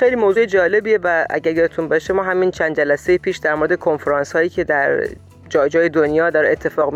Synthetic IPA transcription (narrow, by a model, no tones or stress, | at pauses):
xejlimozujed͡ʒɒːle̞biːevææ̰ɟæɾjɒːd̪et̪ʰunbɒːʃemɒːɦæmint͡ʃʰænd̪d͡ʒælæsejepʰiːʃd̪æɾmoɾed̪ekʰo̞nfeɾɑːnshɒːjiːcʰe̞d̪æɾ | d͡ʒɒːjd͡ʒɒːjed̪onjɒːd̪ɒːɾeet̪ʰːe̞fɒːɣm